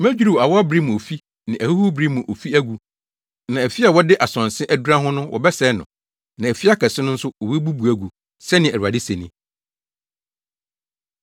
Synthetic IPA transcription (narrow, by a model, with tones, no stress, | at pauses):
mæ̃˦d͡ʑᶣu˦ɾu˨a˨wɔ˦a˦bɾi˦m̃˨o˨fi˦ | nɪ̃˨ʔæ˨hu˦hu˦bɾi˦mũ˨ʔo˨fi˦æ˦ɡu˨ | nã˨æ˨fi˦a˨wɔ˦dɪ˦ʔa˨sɔ̃˨n˨sɪ̃˦ʔæ˦du˦ɾã˦ɦʊ̃˦nʊ̃˦wʔɔ̰˨bɛ˦sɛ˨˦nʊ̰̃˨ | nã˨æ˨fi˦a˦kʰɛ˨sɪ˦nʊ̃˦n̩˦sʊ˦ɔ˨be˦bu˦bu˨æ˨ɡu˨ | sɛ˦nɪ̃˨æ˨ɾu˨a˨dɪ˦se˨nĩ˦